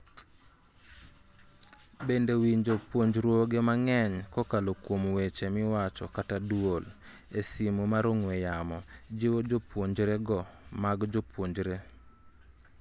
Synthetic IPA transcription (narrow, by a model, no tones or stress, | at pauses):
bendewiɲd͡ʒopwoɲd͡ʒɾwoɡemaŋɛɲkɔkalokwomwet͡ʃemɪwat͡ʃɔkatadwol | esimomaɾoŋwejamɔd͡ʒewod͡ʒopwoɲd͡ʒɾeɡɔmaɡd͡ʒopwoɲd͡ʒɾe